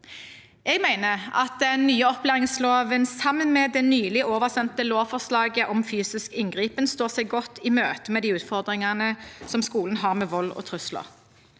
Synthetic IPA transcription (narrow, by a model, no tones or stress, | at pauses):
eːɡmæɪnəʁɑ̰t̪̚d̪ɛnːyːəɔplæːʁɪŋsloːʋənsɑmənmeːd̪ɛnyːlɪʔoːʋəʁsɛnt̪əloːʋfɔʁslɑːɡəʔɔmfyːsɪskɪŋɡʁiːpənst̪oːʁsɛɪɡɔt̪ːɪmøːt̪əmɛd̪iːʉːt̪fɔʁd̪ʁɪŋɑnəsɔmskuːlən̩ɦɑːʁmeːʋɔlːɔ̰t̪ʰʁʉslə̰ʁ